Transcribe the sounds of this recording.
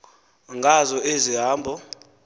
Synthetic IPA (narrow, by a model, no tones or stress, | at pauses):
ŋɡʱazɔʔeziɦaːmbʱɔ